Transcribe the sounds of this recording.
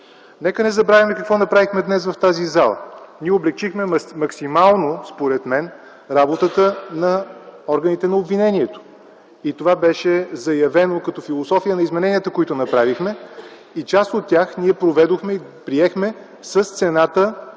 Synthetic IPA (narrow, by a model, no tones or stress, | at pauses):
nɛkənɛzɐbɾavʲimɛkɐkvɔnɐpɾavixmɛd̪nɛsvɐft̪azizalˠə̰niɛoblɛk̚t͡ʃixmɛmɐksimalˠnospoɾɛt̪mɛn | ɾabot̪ət̪ənɐɔɾɡənit̪ɛnɐobvinɛnʲiɛt̪o̥ | it̪ovabɛʃɛzɐjɐvɛnokɐt̪ɔfilˠosɔfijənɐizmɛnɛnijət̪əkoit̪ʊnɐpɾavixmɛ | it͡ʃast̪ot̪ːʲjaxniɛpɾovɛd̪oxmɛipɾiɛxmɛ | səst̪sɛnat̪ə